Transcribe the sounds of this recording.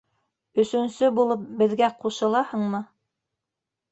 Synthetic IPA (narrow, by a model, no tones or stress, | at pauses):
ɵ̆sɵ̆nsɵbulˠɤp̚bɘ̆ðɡæquʃɤ̆lˠɑhɤ̆ɴmɤ